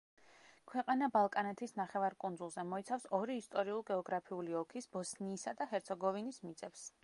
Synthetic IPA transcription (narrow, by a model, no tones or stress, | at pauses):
kʰwɛqʼanabalˠkʼanɛt̪ʰisnaχɛvaɾkʼund̪zulˠzɛmɔit̪sʰafsɔɾiːst̪ʼɔɾiulˠɡɛɔɡɾapʰiuliɔkʰisbɔsniːsad̪aɦɛɾt̪sʰɔɡɔvinismit̪sʼɛps